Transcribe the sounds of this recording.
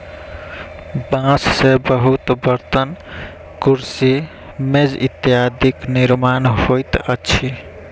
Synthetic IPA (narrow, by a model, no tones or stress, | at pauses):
bãssebəɦut̪bəɾt̪ən | kuɾsi | med͡ʒḭt̪jad̪ikniɾmanɦojt̪ət͡ʃʰi